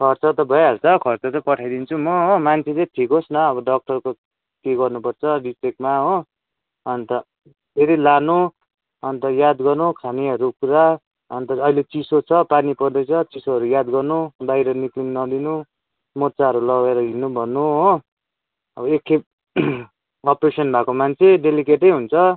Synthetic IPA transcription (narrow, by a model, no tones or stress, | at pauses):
kʰʌrt͡sʌt̪ʌbʱʌeɦʌt͡sʰʌkʰʌrt͡sʌt̪ʌpʌʈʰajd̪int͡sʰumʌɦomant͡sʰeleʈʰikosnʌːbʌɖʌk̚ʈʌrko | keɡʌrnupʌrt͡sʰʌɖisekmaɦõ | ʌnt̪ʌ | pʰeɾilanu | ʌnt̪ʌjad̪ɡʌrnukʰaniʌɾukuɾa | ʌnt̪ʌʌɦilet͡sisot͡sʰʌpanipʌd̪ʌjt͡sʰʌt͡sisoɦʌɾujad̪ɡʌrnubajɾʌnikliŋnʌd̪inu | mot͡saʌɾulʌɡeɾʌɦinubʱʌnːuɦo | ʌbʌekʰːe | ʌpresʌnbʱakomant͡sʰeɖelikeʈʌjɦunt͡sʰʌ